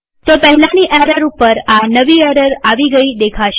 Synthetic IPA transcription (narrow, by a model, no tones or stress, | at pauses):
t̪opəɦɛlaniʔɛɾəɾupəɾanəʋiɛɾəɾaʋiɡəid̪ekʰaʃe